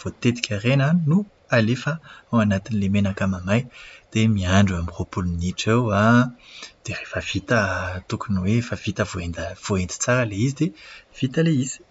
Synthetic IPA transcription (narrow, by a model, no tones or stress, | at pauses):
v̥ot̪ed̪i̥kʲarenanu | alefaawanat̪inilemenakamamajd̪̥emiaɳɖ͡ʐuamiʁopulminiʈ͡ʂewa | d̪̥erefəv̥it̪ət̪ukunuwefav̥it̪əvoend̪v̥oend̪i̥t͡saɾaleizid̪ev̥it̪aleiz̥i̥